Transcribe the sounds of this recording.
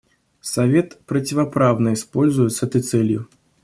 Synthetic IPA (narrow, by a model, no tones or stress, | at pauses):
sɐvʲet̪pɾɐt͡sʲɪvɐpɾawnɐispɔlʲzʊjɪt̪sɛt̪əjt̪sɛlʲjʊ